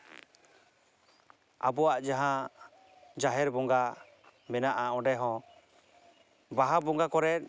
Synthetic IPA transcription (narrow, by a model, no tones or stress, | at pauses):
a̰bɔwaʔd͡ʒaɦã | d͡ʒaɦɛɾbɔŋɡa | mɛnaʔaɔ̃ɖɛɦɔ̃ | baɦabɔŋɡakɔɾɛt̚